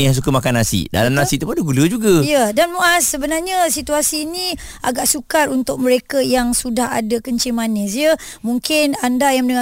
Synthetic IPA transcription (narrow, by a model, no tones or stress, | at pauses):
jaŋs̬ukəmakanasḭda̰lamnasiʔt̪upadəɡuləd͡ʒuɡaijədanmuasːəbənarɲasit̪uasiːnĩa̰ɡaʔsukaɾunt̪ʊk̚məɾekajaŋsudaha̰dəkəɲt͡ʃimanes̬ijəmuŋkɪnandajaŋənəŋ